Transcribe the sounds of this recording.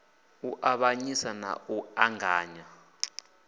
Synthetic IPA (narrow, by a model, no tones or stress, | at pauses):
uʔaɓaɲisana̰uaŋaːɲa